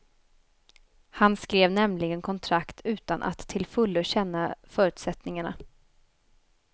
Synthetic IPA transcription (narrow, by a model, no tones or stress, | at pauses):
hanskɾeːvnɛmlɪɡənkʰɔnt̪ʰɾakt̪ʰʉ̟ːt̪anʔa̰t̪ʰːɪlfɵlːəɕɛnːafœːɾʉ̟ːt̪sɛt̪nɪŋaɳa̰